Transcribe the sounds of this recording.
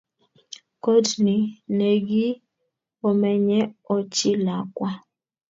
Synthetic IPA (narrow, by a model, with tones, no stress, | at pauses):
ko˦dni˨ne˨ɡi˦ | ɔ˨mɛ˨ɲɛ˦ɔ˨t͡ʃi˦la˨kwa˦